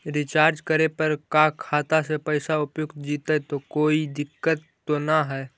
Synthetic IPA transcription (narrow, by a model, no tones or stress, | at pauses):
ɾɪt͡ʃaːɾd͡ʒkəɾepɐɾkakʰaːt̪asepəɪsaʊpjʊɡt̪d͡ʒiːt̪at̪okoːid̪ɪkːət̪ːonaɦɛː